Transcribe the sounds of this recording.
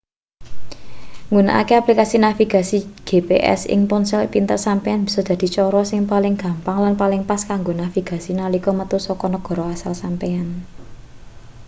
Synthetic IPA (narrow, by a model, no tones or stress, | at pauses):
ŋɡuna̰ʔa̰keaplikasinafiɡ̥a̤siɡ̥e̤peʔɛ̰sɪ̰ŋpɔnsɛlpint̪ərsampeanb̥i̤sɔd̪̥ä̤d̪̥i̤t͡ʃɔɾɔsɪŋpalɪŋɡ̥a̤mpaŋlanpalɪŋpaskaŋɡonafiɡ̥a̤sinalikɔmət̪usɔkɔnəɡ̥ɔ̤ɾɔasalsampean